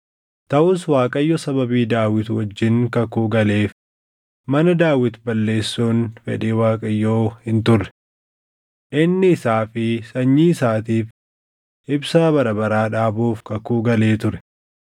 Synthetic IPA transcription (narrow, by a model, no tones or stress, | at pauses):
t̪ɐʔʊswaːkʼɐjːɔsɐbɐbiːd̪aːwɪt̪ʊwɐd͡ʒːɪnkɐkuːɡɐle̞ːf | mɐnɐd̪aːwɪt̪bɐlːe̞ːsːoːnfɛ̰ᶑeːwaːkʼɐjːoːhɪnt̪ʊrːɛ̥ | ʔɪnːɪːsaːfɪsɐɲːiːɪsaːt̪iːf | ʔɪbsabɐɾɐbɐɾaːᶑaːbuːfkɐkuːɡɐleːt̪ʊɾɛ̥